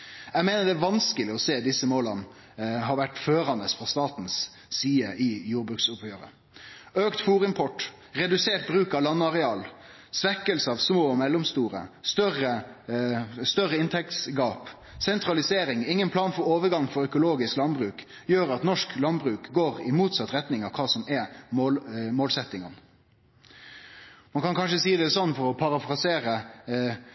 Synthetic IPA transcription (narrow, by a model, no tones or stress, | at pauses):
ɛɡmeːnəd̪ɛæʋɑnskəlɪɔseːd̪ɪsːəmoːlən | ɦɑːɾʋæʈːføːɾɑnəsfɾɑst̪ɑːt̪nsː | iːəʔɪjuːɾbɾʉksʊphøːɾə̰ | øːkt̪fuːɾɪmpʰɔʈː | ʁɛd̪ʉseːʈ̚bɾʉːkɑʋlɑnːɑʁɛɑːl | sʋɛkəlsəɑʋsmoːmɛlːɔmst̪uːɾə̰st̪œɾə | st̪œɾəɪnt̪ʰɛk̚t̪sɡɑːp | sɛnt̪ɾɑlɪseːɾɪŋɪŋːənpʰlɑːnfɔɾoːʋəɡɑŋfɔɾœkʊloːɡɪsklɑnbɾʉːk | jøːɾɑt̪nɔʂklɑnbɾʉːkɡoːɾɪmuːt̪sɑt̪ːɾɛt̪nɪŋɑʋkʰɑːsɔmɛmomoːlsɛt̪ːɪŋən | mɑnkʰɑnkʰɑnʂəsiːd̪ɛɛsɔnːfɔɾɔpʰɑɾɑfɾɑseːɾə